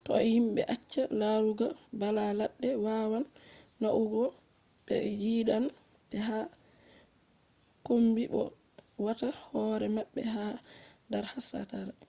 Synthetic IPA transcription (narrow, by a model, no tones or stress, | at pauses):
tɔ̰himɓɛ̰ʔat͡ʃːalaɾuɡabalalaɗːɛwawanːaʔuɡɔ | ɓ̥ɛ̰jiːɗan | tɛɦa | kombiɓɔ̰ | watahɔɾɛmaɓːɛ̰hadaɾhasa̰taɾa